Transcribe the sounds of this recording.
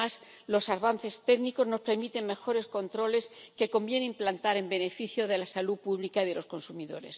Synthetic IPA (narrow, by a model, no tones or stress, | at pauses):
as | lo̞saɾβanθe̞st̪e̞ɣniko̞zno̞speɾmit̪e̞ŋme̞xo̞ɾe̞sko̞nt̪ɾo̞le̞ske̞ko̞mbje̞nemplant̪aɾe̞mbe̞ne̞fiθjo̞ðe̞lasalupuβlikaiðe̞lo̞sko̞nsumiðo̞̰ɾe̞̰s